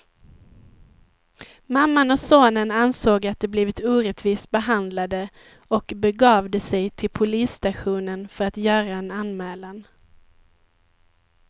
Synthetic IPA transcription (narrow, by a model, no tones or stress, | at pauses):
mamːanɔsoːnənansoːɡat̪̚d̪ɛbliːvɪt̪uːɾɛt̪viːsbɛɦand̪lad̪ə | ɔkbɛɡɑːvd̪əsɛjt̪ʰɪlpʰʊliːsːt̪aɧuːnənfœɾat̪jœːɾaɛnanmɛːlan